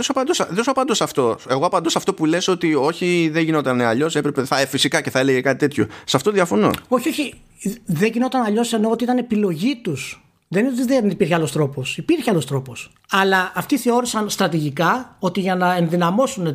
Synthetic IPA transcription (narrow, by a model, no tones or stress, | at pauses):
ðsopɐnd̪osɐðsoɐpɐnd̪osɐft̪o̞e̞ɣoɐpɐnd̪osɐft̪opuleso̞t̪io̞çiðeʝino̞t̪ɐneɐʎo̞sepɾepeθɐefisikɐceθɐe̞leʝekɐt̪i̥t̪e̞t̪ço̞̰sɐft̪ot̪oðjɐfo̞no̞̰o̞çio̞çi | ðe̞ʝino̞t̪ɐnɐʎo̞se̞no̞ot̪iit̪ɐnepilo̞ʝit̪us | ðenot̪iðenipiɾçealo̞st̪ɾo̞po̞sipiɾçeɐlo̞st̪ɾo̞po̞s | ɐlɐːft̪iθe̞o̞ɾisɐnst̪ɾɐt̪iʝikɐo̞t̪iʝɐnɐe̞nðinɐmo̞sune